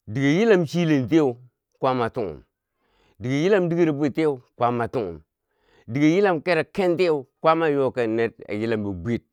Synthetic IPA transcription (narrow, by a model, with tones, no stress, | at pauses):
di˨ɡe˨ji˦la˦mt͡ʃi˦le˨nte˦u˨ | kʷa˦ma˨tu˦ŋṵ˨m | di˨ɡe˨ji˦la˦mdi˦ɡi˦ɾa˨bʷe˦˨te˦u˨˦kʷa˦ma˨tu˦ŋṵ˨m | di˨ɡe˨ji˦la˦mke˦ɾa˨ke˦nte˦u˨kʷa˦ma˦jo˦ka˨ne˦t̚a̰˨ji˦la˨mba˨bʷe˦˨t̚